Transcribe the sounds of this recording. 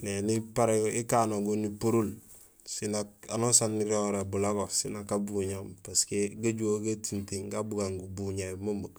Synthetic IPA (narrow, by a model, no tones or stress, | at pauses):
nenipaɾeɡoʔikanoɡunipoɾul | sinakanosanːiɾoɾabulaɡosinakːabuɲampaskeɡaɟuoɡatintiŋɡabuɡaŋɡubuɲamomok